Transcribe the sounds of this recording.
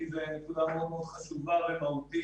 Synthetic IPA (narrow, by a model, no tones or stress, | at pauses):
izenekudameod̪meo̞d̪χaʃuvavemahut̪i